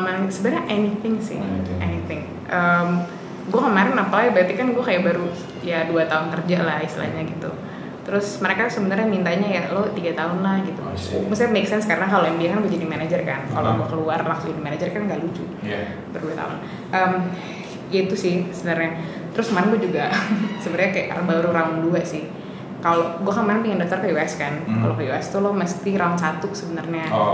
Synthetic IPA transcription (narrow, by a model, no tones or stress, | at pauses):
maɾŋsəbəɾɲaʔɛnit̪ɪŋsɪ̰ʔɛnit̪ɪŋ | ʔəm | ɡuakəmaɾɪnapaajabəɾat̪ikanɡuakajaʔbaɾu | jaduat̪aʊnt̪ərd͡ʒaʔlahist̪ḭla̰hɲaɡit̪ṵ | t̪əɾʊsməɾekasəbənərɲamint̪aɲajalot̪iɡat̪aɦʊnlahɡit̪uməsaameksɛnskaɾɾaŋkalojaŋbiahkanɡuad͡ʒadimanad͡ʒərkanka̰lo̰ɡuakəluarlaksud͡ʒadimanad͡ʒərkanŋɡaʔlut͡ʃʊ̰ | baduat̪a̰ʊn | ʔəm | jait̪usɪhsəbənərɲa | t̪əɾʊsmanaɡuad͡ʒuɡasəbənəɾɲakajaʔbaɾuɾaʊnduasɪh | kaloɡuakanmanapəŋandaft̪arkəuwaskanka̰lokəjuast̪uloməst̪iɾaʊnsat̪usəbənərɲa